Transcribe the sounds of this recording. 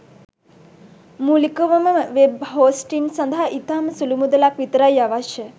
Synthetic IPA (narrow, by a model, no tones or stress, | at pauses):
mulikoʋəməəʋebɦoːsʈinsɐnd̪ʱəɦaʔit̪aməsulumud̪əlakʋit̪ɾajaʋaʃjə